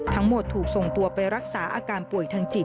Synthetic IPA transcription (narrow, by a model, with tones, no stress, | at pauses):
t̪ʰa˦˥ŋmo˨˩t̪ʰːuː˨˩k̚so˨˩ŋt̪u˧ɐpa˧jɾa˦˥k̚saː˩˦ʔa̰ː˧kaː˧npu˨˩əjt̪ʰaː˧ŋt͡ɕi˨˩